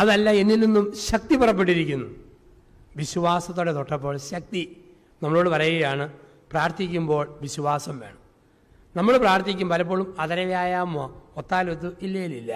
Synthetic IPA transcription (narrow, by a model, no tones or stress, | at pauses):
ɐðɐlːɐe̞nːilninːumɕɐk̚t̪ipurɐpːe̞ʈːiɾikʲːunːu | ʋiɕuʋaːsɐt̪ːoːɽet̪oʈːɐpːo̞ːɭɕɐk̚t̪i | nɐmːɐɭo̞ːɽɨpɐrɐjuɣɐjaːɳɨ | praːrt̪ikʲːumbo̞ːɭʋiɕuʋaːsɐmʋe̞ːɳɐm | nɐmːɐɭɨpraːrt̪ːikʲːumbɐlɐp̬ːo̞ːɭumɐðɐɾɐjjaːjaːmːoot̪ːaːlot̪̬ːuilːɐjililːɐ